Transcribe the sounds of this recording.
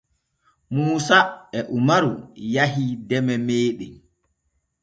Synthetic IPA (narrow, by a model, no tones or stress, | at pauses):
muːsaɛʔumaɾujaɦidɛmɛmeːɗɛ